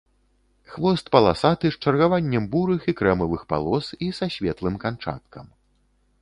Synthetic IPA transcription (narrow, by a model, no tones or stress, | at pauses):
xvɔst̪pɐlˠasat̪ɨʂt͡ʂɐrɣavanʲːɐmbuɾɨxikɾɛmɐvɨxpa̰lˠɔsisaɕʲvʲɛt̪lˠɨmkant͡ʂa̰t̪̚kʰɐm